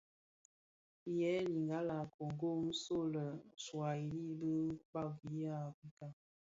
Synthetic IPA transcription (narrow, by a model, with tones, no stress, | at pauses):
jɛ˨˦li˨ŋɡa˦la˨ko˨ŋ˨ɡo˦˨n̩˦so˦lə˨swa˨i˨li˦bə˦k͡pa˦˨ɡi˦ja˦i˦ka˦˨